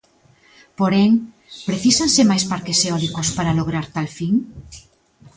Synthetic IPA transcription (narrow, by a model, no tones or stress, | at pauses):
poɾeŋ | pɾeθisansemajspaɾkeseɔlikospaɾaloɣ̞ɾaɾt̪alfiŋ